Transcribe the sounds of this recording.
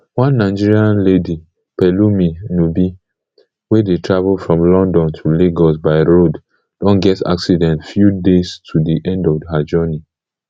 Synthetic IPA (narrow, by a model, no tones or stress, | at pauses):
wãnːaɪd͡ʒiɹiãnledi | pɛluminubi | wedetʰɹavlfɹɔ̃mlɔ̃ndɔ̃ntʰuleɡɔs̬baɪɹod | d̥ɔ̃nɡɛta̰ksidɛ̃ntfjudestʰudiʔɛ̃ndɔvɦad͡ʒɔni